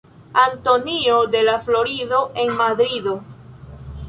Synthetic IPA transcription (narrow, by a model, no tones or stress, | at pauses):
anto̞niode̞laflo̞ɾido̞ʔe̞nmadɾido̞